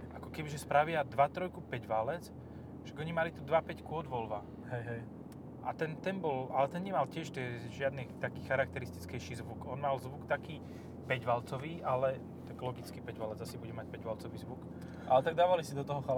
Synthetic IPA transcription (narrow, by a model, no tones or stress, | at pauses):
ʔakɔkɛbiʒɛspɾaʋɪad̪ʋat̪ɾɔjkupɛɟʋalɛt͡s | ʃaɡɔɲimalit̪ud̪ʋapɛckuɔd̪ʋɔlʋa | hɛjɦɛj | ʔa̰t̪ɛnt̪ɛnbɔlalɛt̪ɛnɲɛmalcɪɛʃt̪ɛʒɪad̪nit̪akiːxaɾak̚t̪ɛɾist̪i̥t͡skɛjʃizʋukɔnmalzʋukt̪akiː | pɛɟʋalt͡sɔʋiːʔalɛ | t̪aɡlɔɡit͡skiːpɛɟʋalɛd͡zasibuɟɛmac̚pɛɟʋalt͡sɔʋiːzʋuk | ʔalɛt̪aɡ̚d̪aːʋalisid̪ɔt̪ɔɦɔxa